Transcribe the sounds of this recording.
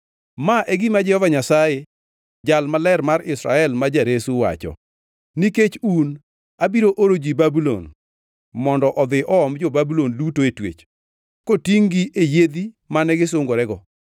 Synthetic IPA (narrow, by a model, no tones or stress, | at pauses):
maʔɛɡɪmad͡ʒɛhɔvaɲasaje | d͡ʒalmalɛrmaɾɪsɾa̰ɛlmad͡ʒaɾesuwa̰t͡ʃɔ̰ | niket͡ʃun | abiɾoʔoɾod͡ʒibabulo̰n | mɔndɔʔɔd̪ɪʔɔɔmd͡ʒɔbabulondutoetwḛt͡ʃ | kotiŋɡiʔejed̪i | manɛɡɪsʊŋɡoɾɛɡɔ